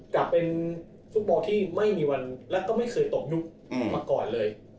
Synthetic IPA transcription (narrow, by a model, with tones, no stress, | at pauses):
ka˨˩pːe˧n | fu˦˥t̪̚bɔː˧t̪ʰiː˥˩ma˥˩jmiː˧wa˧nlɛ˦˥wkɔː˥˩ma˥˩jkʰɤː˧jt̪o˨˩p̚ju˦˥k̚ | maː˧kɔː˨˩nlɤː˧j